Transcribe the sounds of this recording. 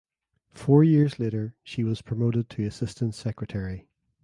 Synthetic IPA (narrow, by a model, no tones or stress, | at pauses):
fɔɹjiɹzlˠeɾə˞ʃiwɒz̥pʰɹ̥əmoʔɪd̚tʰəəsɪstə̃ntsɛkɹətʰɛɹi